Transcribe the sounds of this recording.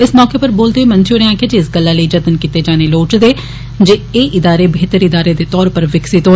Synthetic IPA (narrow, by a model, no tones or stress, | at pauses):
ɪsmɔːkeːpəɾboːld̪eːmənt͡ʃoːɾeãːked͡ʒiɪsɡəlːaːləiːd͡ʒət̪ənkit̪eːd͡ʒaːneːloːʈd̪eː | d͡ʒeːeːʔɪd̪aːɾeːbʱeːt̪əɾɪd̪aːɾeːd̪eːt̪ɔːɾpəɾʋɪksit̪o